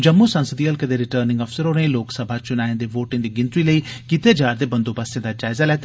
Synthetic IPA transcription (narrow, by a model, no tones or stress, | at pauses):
d͡ʒəmːusɐ̃nsəd̪iɐlkəd̪eɾɪʈəːɾnɪ̃ŋɡɐfsəɾõneĩloːksəbʱat͡ʃʊnaːjẽd̪eʋoːʈɪ̃ŋd̪iɡɪ̃nt̪ɾiləi | kiːt̪ed͡ʒaːɾd̪ebɐ̃nd̪opasjẽd̪ad͡ʒaːɪzalɛːt̪